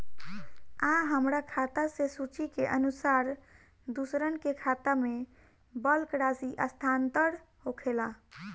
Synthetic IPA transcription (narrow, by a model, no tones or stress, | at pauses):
ãɦəmɾakʰat̪asesut͡ʃikeʔənusaɾ | d̪usɾənkekʰat̪ame | bəlkɾasiʔəst̪ʰant̪əɽ | ɦokʰela